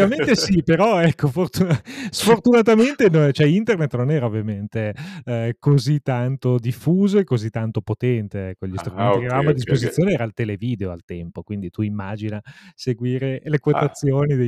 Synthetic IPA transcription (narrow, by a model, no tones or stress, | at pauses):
avament̪esipeɾɔɛkːofort̪usfort̪unat̪ament̪enot͡ʃoɛint̪ernet̪ːnonɛːɾaovːjament̪e | kozit̪ːant̪od̪ifːuːzoekːozit̪ːant̪opot̪ɛnt̪eɛkːoʎːist̪ɾumenkeaavamoad̪ːispozit̪sːjoːneɛːɾaːlt̪eleviːd̪eoa̰lt̪ɛmpokwind̪it̪uimːaːd͡ʒinaseɡwiːɾelekwot̪at̪sːjoːnid̪e